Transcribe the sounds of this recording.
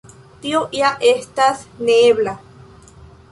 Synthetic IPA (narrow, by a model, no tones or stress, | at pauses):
t̪ioʔiaʔeht̪asneːβla